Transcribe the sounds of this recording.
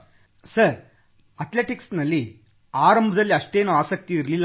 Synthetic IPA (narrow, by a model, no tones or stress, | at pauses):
sɐɾ | ɐt̪leʈiksnɐlːi | aːɾɐmbʱɐd̪ɐlːiɐʂʈeːnoaːsɐk̚t̪iːɾlil